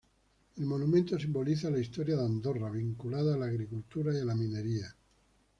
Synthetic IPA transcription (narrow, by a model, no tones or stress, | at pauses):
elmo̞numẽnt̪o̞simbo̞liθalaist̪oɾjaðand̪o̞raβ̞iŋkulaðaːlaːɣɾikult̪uɾaialamĩne̞ɾia